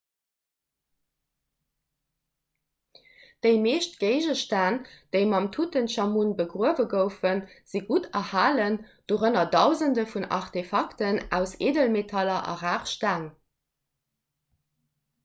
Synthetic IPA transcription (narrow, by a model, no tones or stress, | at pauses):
d̥əɪmeːʃtɡ̥eɪʒəʃtaːnd̥əɪmɑmtʰutənʃɑmunbəɡʁuəvəɡəʊfənz̥iɡutɐhaːlənd̥oːʁənɐdɑʊzəndəfunɑ̰ʁtefɑktənæ̰ʊseːdəlmetʰɑlɐʔɑ̰ʁaːχʃtaːn